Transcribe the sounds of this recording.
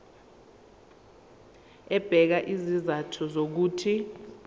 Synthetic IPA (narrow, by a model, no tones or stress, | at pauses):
ɛb̥ʱɛk̬aʔizizatʰɔzok̬uːtʰi